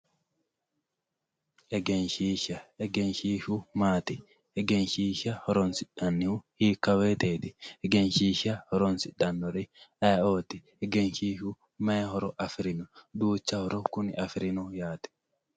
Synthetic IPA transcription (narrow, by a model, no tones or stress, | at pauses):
ʔɛɡɛnʃiːʃɐɛɡɛnʃiːʃumaːt̪ɪ | ɛɡɛnʃiːʃɐhɔɾɔnsɪᶑɐnːɪhʊhiːkːɐweːt̪eːt̪ɪɛɡɛnʃiːʃɐhɔɾɔnsɪᶑɐnːɔɾɪɐjoːt̪ɪ | ɛɡɛnʃiːʃʊ | mɐjɐhɔɾɔʔɐfɪɾɪnʊd̪uːt͡ʃːɐhɔɾɔkʊnɪʔɐfɪɾɪnʊjaːt̪ɛ̥